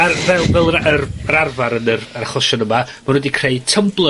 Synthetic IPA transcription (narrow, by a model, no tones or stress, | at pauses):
avɛlˠvɛlˠəərɾarvaɾənərɾaχˠɔʃɔnəmamanwɛdikʰreɨtʰəmblˠə